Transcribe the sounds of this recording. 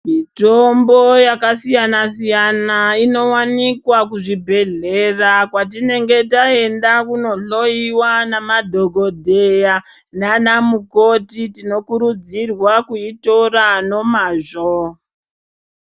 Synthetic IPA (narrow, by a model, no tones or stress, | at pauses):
mitombojakasijanasijanaino̞wanikwakuʐibʱe̞ɮerakwat̬ine̞ŋɡe̞tae̞ndakuno̞ɬo̞iwanamadʱoɡʱo̞dʱeja | nanamukotitino̞kuɾud͡zirwakuitorano̞maːʐo